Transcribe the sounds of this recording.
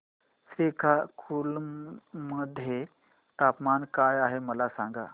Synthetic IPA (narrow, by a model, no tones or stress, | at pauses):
sikʰakʰul | məd̪ʱːje | t̪apmankajaɦeməlasãŋɡa̰